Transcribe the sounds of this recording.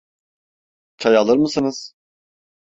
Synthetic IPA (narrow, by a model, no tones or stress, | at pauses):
t͡ʃʰajalˠɯɾmɯsɯnɯz̥